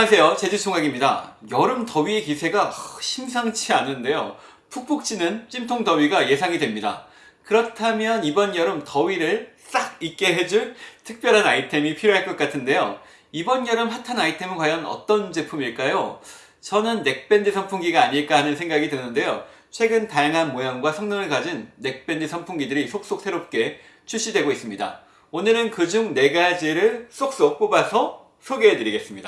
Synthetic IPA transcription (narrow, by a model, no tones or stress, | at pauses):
as̬ʰe̞jot͡ɕe̞d͡ʑut͡ɕʰoŋaɡimɲida̰jʌɾɯmtʌɥie̞kisʰe̞ɡaɕʰimsʰaŋt͡ɕʰianːɯnde̞jo | pʰuk̚p͈uk̚t͡ɕ͈inɯnt͡ɕ͈imtʰoŋtʌɥiɡaje̞sʰaŋidwe̞mɲida̰ | kɯɾʌtʰamjʌnibʌnjʌɾɯmtʌɥiɾɯɭs͈aɡ̚ik͈e̞ɦe̞d͡ʑuɭtʰɯk̚p͈jʌɾɦanaitʰe̞mipʰiɾjoɦaɭk͈ʌk͈atʰɯnde̞jo̰ | ibʌnjʌɾɯmɸatʰanaitʰe̞mkwajʌnʌ̰t͈ʌnt͡ɕe̞pʰumiɭk͈ajo | t͡ɕʌnɯnːe̞k̚p͈e̞ndɯsʰʌmpʰuŋɡiɡaːɲiɭk͈aɦanɯnsʰe̞ŋɡaɡidwɯnɯnde̞jo | t͡ɕʰwe̞ɡɯntajaŋɦanmojaŋɡwasʰʌŋɲʌŋɯɭkad͡ʑinːe̞k̚p͈e̞ndɯsʰʌmpʰuŋɡidɯɾisʰok̚s͈ok̚s͈ʰeɾop̚k͈e̞ | t͡ɕʰuɕ͈idwe̞ɡois͈ɯmɲida̰ | onɯɾɯnkɯd͡ʑuŋne̞ɡad͡ʑiɾɯɭs͈ok̚s͈ok̚p͈obasʰʌ | sʰoɡeɦedɯɾiɡe̞s͈ɯmɲida